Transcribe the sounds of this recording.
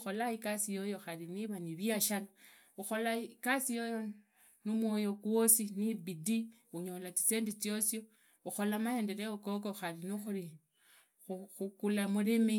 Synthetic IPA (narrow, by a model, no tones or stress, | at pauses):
xo̞laikasijo̞jo̞xaɾiniβaniβjaʃala | uxo̞laikasijo̞jo | numwo̞jo̞kwosinibidi | uɲo̞lat͡si̥seːndit͡sjo̞sjo | uxo̞lamahe̞ːnde̞ɾeokok̬oxaɾinixuɾi | xuxukulamulimi